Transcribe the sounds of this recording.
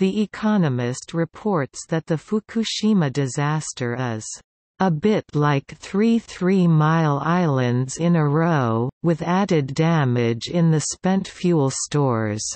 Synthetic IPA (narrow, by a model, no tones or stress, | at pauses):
ðiʔɪkʰɑnɨmɪst̚ɹɨpʰɔɹtsðɨt̪̚ðɨfukʰɨʃimɨdɨzæstʰə˞ʌz̥ | əbɪtˡlaɪkθɹiθɹimaɪlˠaɪlˠɨ̃ndzɪ̃nɨɹoʊwɨðæɾɨdæmɪd͡ʒɪ̃nðɨspɛ̃ntfjulˠstɔɹz̥